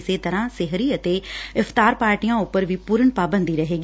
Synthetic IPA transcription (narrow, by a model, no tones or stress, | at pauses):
set̪ɐɾãsɪɦɾiɐt̪eɪft̪aːɾpaːɾʈijãʊpəɾʋipuːɾənpaːbə̃nd̪ʱiɾɐɦeːɡ